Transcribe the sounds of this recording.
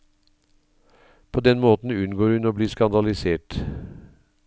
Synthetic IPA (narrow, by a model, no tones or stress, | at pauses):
pʰoːd̪ɛnmoːt̪n̩ʉnɡoːɾhʉnoːbliːskɑnd̪ɑlɪseːʈ